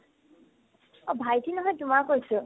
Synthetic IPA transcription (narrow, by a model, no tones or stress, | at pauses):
obʱajtʰinɔɦɔjtʊmaɹkojsʊ